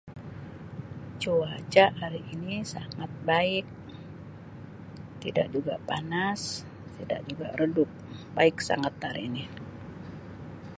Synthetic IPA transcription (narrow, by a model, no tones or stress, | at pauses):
t͡ʃuat͡ʃaaɾiʔinisa̰ŋat̪̚baɪk̚ | t̪ida̰k̚d͡ʒuɡapanas | t̪ida̰ʔ̚d͡ʒuɡa̰rədʊp̚baɪk̚sa̰ŋat̪ːaɾḭni